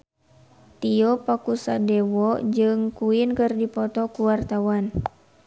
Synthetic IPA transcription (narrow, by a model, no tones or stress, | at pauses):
t̪iɔpakusadɛwɔd͡ʒɨŋkuinkɨrdipɔt̪ɔkuwart̪awan